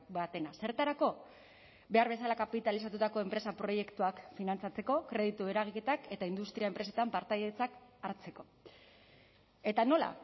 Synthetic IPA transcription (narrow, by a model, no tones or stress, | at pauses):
bat̪e̞nase̞ɾt̪aɾako̞ | be̞aɾβ̞e̞s̬alakapit̪alisat̪ut̪ako̞empɾe̞sapɾo̞je̞kt̪uakfinant͡sat͡se̞ko̞kɾe̞ð̞it̪ue̞ɾaɣ̞ike̞t̪ake̞t̪aind̪ust̪ɾiaempɾe̞s̬e̞t̪ampaɾt̪ajðet͡sakaɾt͡se̞ko̞ | e̞t̪ano̞la̰